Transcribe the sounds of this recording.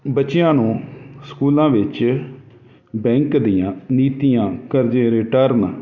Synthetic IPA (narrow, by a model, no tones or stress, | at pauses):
bətːt͡ʃɪjãːnũːskuːlãːʋɪt͡ʃ | bɛ̃ːŋkd̪ɪjãːniːt̪ijãːkəɾd͡ʒeːɾeʈəɾn